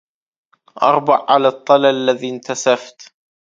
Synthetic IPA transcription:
ʔɑ̰ɾˤbɑʕʕalaːt̪ˤːɑlaalːaðiːnt̪asaft̪

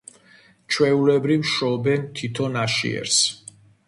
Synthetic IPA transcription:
t͡ʃʰwɛulɛbɾivʃɔbɛnt̪ʰit̪ʰɔnaʃḭɛ̰ɾs

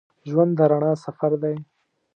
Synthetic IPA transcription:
ʒwand̪əɾaɳɑsafaɾd̪aj

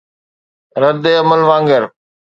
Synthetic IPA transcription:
ɾəd̪eːɐməlʋãːŋɡəɾ

